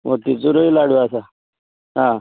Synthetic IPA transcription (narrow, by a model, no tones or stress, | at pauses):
mot̪it͡suɾoilaɽuasa | ɦã